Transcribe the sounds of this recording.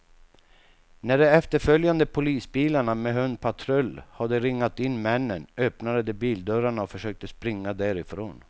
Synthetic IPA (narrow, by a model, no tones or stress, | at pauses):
næɖɛɛft̪əɾfœljand̪əpʰʊliːsbiːlaɳamɛɦœnd̪̚pʰat̪ʰɾœlːhad̪ɛɾɪŋːat̪ɪnːmɛnːənœpnad̪əd̪ɛbiːld̪œɾaɳaɔfœʂøːk̚t̪əspɾɪŋːad̪æɾɪfɾo̰ːn